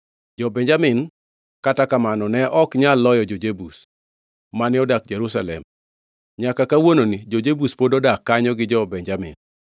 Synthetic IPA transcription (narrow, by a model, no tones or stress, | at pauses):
d͡ʒɔbɛɲd͡ʒamɪn | katakamanɔnɛʔɔkɲalːɔjɔd͡ʒod͡ʒebus | manɪɔdak̚d͡ʒeɾus̬alɛ̰m | ɲakakawononid͡ʒod͡ʒebuspodɔdakːaɲɔɡɪd͡ʒɔbɛɲd͡ʒamɪ̰n